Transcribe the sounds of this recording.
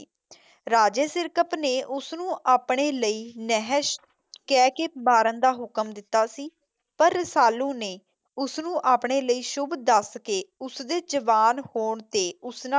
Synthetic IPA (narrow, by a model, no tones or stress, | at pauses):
ɾaːd͡ʒeːsɪɾkəpneːʔʊsnũːʔaːpɳeːləiːnɛɦəʃ | kɛːkeːbaːɾənd̪aːɦʊkəmd̪ɪt̪ːaːsiː | pəɾsaːlũːneː | ʊsnũːʔaːpɳeːləiːʃʊbd̪əskeːʊsd̪eːd͡ʒəʋaːnhoːɳt̪eːʊsnã